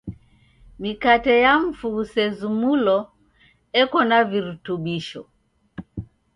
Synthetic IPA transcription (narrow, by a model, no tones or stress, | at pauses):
mikatɛjam̩fuːsɛzumulɔ | ɛkɔnaviɾutuɓiʃɔ